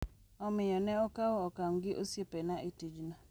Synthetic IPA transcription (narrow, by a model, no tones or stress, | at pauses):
ɔmɪjɔnɛɔkawɔɔkaŋɡɪʔosjepenaʔitid͡ʒna